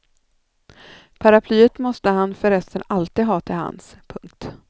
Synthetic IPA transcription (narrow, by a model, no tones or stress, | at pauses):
pʰaɾapʰlyːət̪mɔst̪əhanfœɾɛst̪ənalt̪iːd̪ɦɑːt̪ʰɪlha̰nspʰɵŋk̚t̪